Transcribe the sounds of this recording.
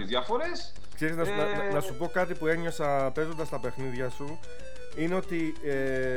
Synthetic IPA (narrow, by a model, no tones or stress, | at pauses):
izðjɐfoɾes | kse̞ɾiznɐsnɐnnɐsupo̞kɐt̪ipue̞ɲo̞sɐpe̞zo̞nd̪ɐst̪ɐpe̞xniðʝɐsu | ineo̞t̪i | e